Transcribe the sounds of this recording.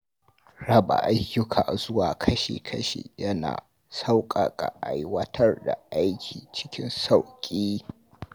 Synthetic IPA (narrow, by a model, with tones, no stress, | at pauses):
ɽɐ˦ba̰˨ʔa˦jːʊ˦kʰaː˨zʊ˦waː˨kʰɐ˦ʃḛː˨kʰɐ˦ʃḛː˨jɐ˦na̰ː˨ | sa˦wkʼa˨kʼa̰˨ʔa˦jwɐ˦tʰɐ˦rda˨ʔa˦jkʲʰiː˨t͡ʃɪ̥˦kʲɪ˦nsa˦˨wkʲʼiː˦